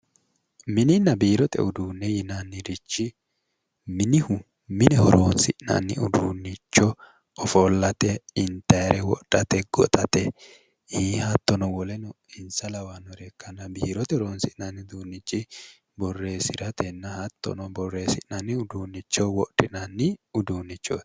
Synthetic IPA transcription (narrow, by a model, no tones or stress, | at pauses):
mɪnɪnɐbiːɾɔt̪ɛ̰ʊd̪uːnːɛjɪnanːɪɾɪt͡ʃːɪ | mɪnɪhʊ | mɪnɛhɔɾoːnsɪʔnɐ̰nːɪ̰ʊd̪uːnːɪt͡ʃːɔ | ɔfolːɐt̪ɛɪnt̪ɛɾɛwɔ̰ʔᶑ̥ɐt̪ɛɡ̥ɔt̪ʼɐt̪ɛ | hiːhɐt̪ːɔnɔwɔlɛnɔ | ɪnsɐlɐwanɔɾɛkːɐnːɐbiːɾɔt̪ɛhɔɾoːnsɪʔnanːɪd̪uːnːɪt͡ʃʼːɪ | bɔrːe̞ːsɪɾɐt̪ʰɛnːɐhɐt̪ːɔ̰nɔbɔrːeːsɪʔnɐnːɪʊd̪uːnːɪt͡ʃːɔwɔɗɪnɐnːɪʊd̪uːnːɪt͡ʃːo̰